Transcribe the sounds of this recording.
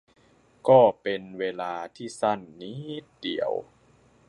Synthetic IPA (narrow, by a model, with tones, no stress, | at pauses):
kɔː˥˩pe˧nweː˧laː˧t̪ʰiː˥˩sa˥˩nːi˦˥t̪̚dḭ˨˩˦ə̰w